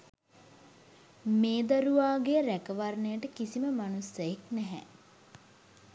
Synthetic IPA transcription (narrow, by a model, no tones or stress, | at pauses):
meːd̪aɾuʋaːɡeəɾækəʋarnəjəʈəkisiməmanusːəjeknɛɦɛ̰